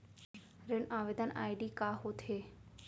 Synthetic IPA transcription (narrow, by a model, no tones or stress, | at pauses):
ɾɪnãːʋeːd̪əna̰ːɪɖiːkaːɦot̪ʰeː